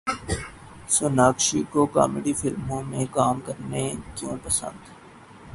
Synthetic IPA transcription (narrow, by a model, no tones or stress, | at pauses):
sonaːkʃikoka̰ːmeɖifɪlmõmẽkaːmkɐɾnekjõːpəsə̰̃nd̪